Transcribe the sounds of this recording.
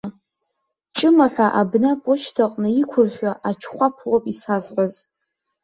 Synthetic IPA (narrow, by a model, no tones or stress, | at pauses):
t͡ʃʼɨmaħʷᶣaʔabnapʼot͡ʃʰtʰaqʼnɨikʷʰʊrʃᶣʷaʔat͡ʃʰχʷapʰlopʼisazħʷaz